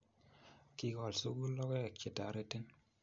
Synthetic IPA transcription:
ki˨kɔ˨lso˦ɡu˦lɔ˦kɛ˦˨ke˨ta˨ɾe˦te˦n

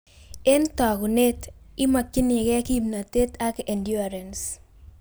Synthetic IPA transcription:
e˦ntɔ˨ku˨ne˦tɪ˦ma˨kːɪ˦ne˨kɛ˦ki˦mna˨te˦tʰa˦ke˨ndju˦a˨ɾɛ˨ns

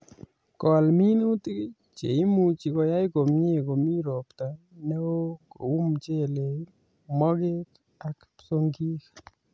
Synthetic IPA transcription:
kɔ˨lmi˦nu˦t̪i˦k | t͡ʃḛ˨i˦mu˦˨t͡ʃi˨kɔ˧ja˦jko˨mɲe˦ko˨mi˦ɾo˨pt̪a˨ | nɛ˦wo˦ko̰˨u˦mt͡ʃe˦˨le˨ | mɔ˦ke˦k | a˨kpso˦ŋɡi˦k

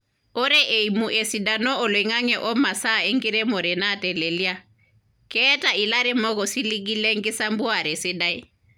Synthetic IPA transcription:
ɔ˦ɾɛ˦ʔe˨i˨mu˨ʔe˨si˨da˨nɔ˦ɔ˨lwɛ˨ŋa˦ŋɛ˨ʔɔ˦ma˨sa˦˨ɛ˦ŋɡɪ˦ɾɛ˦mɔ˨ɾɛ˨na˦˨tɛ˨le˨li˦a˦ | kɛː˦ta˨i˨la˦ɾɛ˦mɔ˦kɔ˨si˦li˦k̬i˦lɛ˦ŋ˦kɪ˦sa˦mbu˦a˨ɾɛ˨sɪ˦da˦i˦

